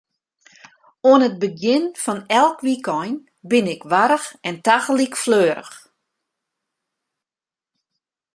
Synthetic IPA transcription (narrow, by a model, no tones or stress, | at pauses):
oənət̚bəɡjɪnfɔnɛlˠkʋikɔjn | bɪnɪkʋaɾəxɛntaɣəlikfløːɾə̰x